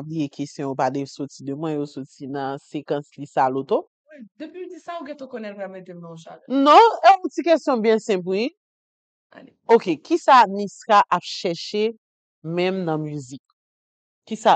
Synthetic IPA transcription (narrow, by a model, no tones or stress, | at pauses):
ablijekʰestjɔ̃jopad̪ɛvsot͡sid̪ømwɛ̃josot͡sinɐ̃sekɐ̃slisalot̪o | wid̪əpid̪isaoɡɛ̃t̪okonɛtpammet̪emnãʃa̰lɛ̃nɔ̃ɛũtikɛstjɔ̃bjɛ̃sɛ̃p̬ui | a̰leokekisaniskaʔapʃɛʃe | mɛ̃mnɐ̃myzikː | isa